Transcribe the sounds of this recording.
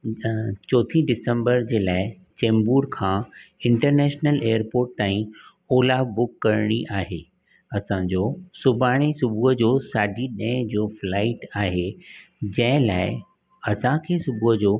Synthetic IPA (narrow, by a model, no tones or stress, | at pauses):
t͡ɕɔːt̪ʰĩɖɪsə̃mbəɾd͡ʑeːlaːɪ | t͡ɕẽːmbuːɾkʰãːɪ̃ɳʈəɾnɛːʃnəleːəɾpoːɾʈ̚t̪aːĩ | oːlaːbʊkːɐɾɽ̃iʔaːɦeː | ɐsãd͡ʑoːsʊbʱaːɽ̃isʊbʱuɦəd͡ʑoːsaːɖʱiɗɐ̃ɪ̃d͡ʑoːflaːɪʈaːɦed͡ʑɐ̃ɦɪ̃laːɪ | ɐsãkʰeːsʊbʱuɦəd͡ʑoː